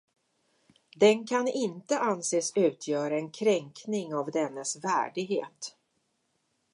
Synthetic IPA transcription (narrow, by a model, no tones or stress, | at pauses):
d̪ɛnkʰanɪnt̪əʔanseːsʉ̟ːt̪ʰjœːɾaɛnkʰɾɛŋknɪŋavd̪ɛnːəsvæ̰ːɖɪɡɦḛːt̪